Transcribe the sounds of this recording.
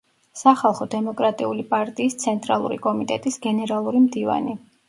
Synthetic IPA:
saχalˠχɔd̪ɛmɔkʼɾat̪ʼiulipʼaɾt̪ʼiːst̪sʰɛnt̪ʼɾalˠṵɾḭkʼɔmit̪ʼɛt̪ʼisɡɛnɛɾalˠuɾimd̪iva̰ni

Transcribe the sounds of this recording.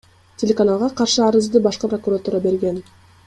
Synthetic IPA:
tʲelʲekanalˠʁɑqɑɾʃɯɑɾɯzd̪ɯbɑʃqɯprokuɾat̪uːɾɑbe̞ɾɡe̞n

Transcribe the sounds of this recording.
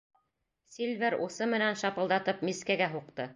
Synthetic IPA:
sʲilʲvʲeɾusɤmɘ̆nænʃɑpɤ̆lˠd̪ɑt̪ɤp̚miskæɡæɦuq̚t̪ɤ

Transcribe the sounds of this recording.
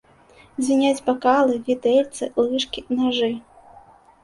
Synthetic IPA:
zʲvʲinʲad͡zʲbakalˠɨvʲit̪ɛlʲt̪sɨlˠɨʂkʲinaʐɨ

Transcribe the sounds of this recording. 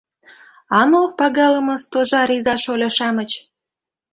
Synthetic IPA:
ɑnopɑɣɑləmə̆st̪oʒɑɾizɑʃolʲɑʃɑmə̆t͡ɕ

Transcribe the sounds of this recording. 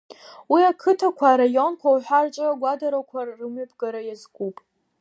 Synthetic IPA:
wiakʰɨtʰakʷʰaːɾajo̞nkʷʰawħʷᶣart͡ʃʷʼɨɡʷadaɾakʷʰarːɨmɥɨpʰɡaɾajazɡʷʼupʼ

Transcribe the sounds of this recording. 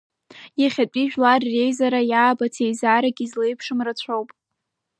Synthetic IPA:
jaχʲat͡pʷʼiʒᶣlarːe̞jzaɾajaːbatʰejzaɾaɡʲizlejpʰʂɨmrat͡ɕʷʰowpʼ

